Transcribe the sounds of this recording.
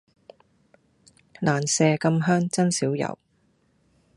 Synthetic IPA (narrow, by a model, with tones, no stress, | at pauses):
laː˨˩nsɛː˧kɐ˧mɦœː˥ŋt͡sɐ˥nsiː˨˥wjɐ̰˨˩w